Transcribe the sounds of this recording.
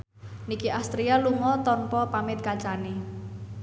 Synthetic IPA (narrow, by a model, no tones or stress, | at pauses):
nikiʔast̪ɾialuŋɔt̪ɔnpɔpamɪt̪̚kat͡ʃane